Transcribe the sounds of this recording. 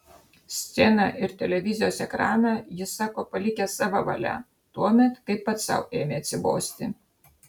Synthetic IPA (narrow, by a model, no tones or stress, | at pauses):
sʲt̪sʲɛnɑʔɪɾt̪ʲɛlʲɛʋʲɪzʲɪjoːsɛkɾɑːnɑjɪsɑːkoːpɐlʲɪkʲɛsɑːʋɐʋɐ̰lʲæ̰ | t̪uɔmʲɛt̪kɐɪpːɐt̪sɑ̰ʊeːmʲeːɐt̪ʲsʲɪbo̰ːsʲt̪ʲɪ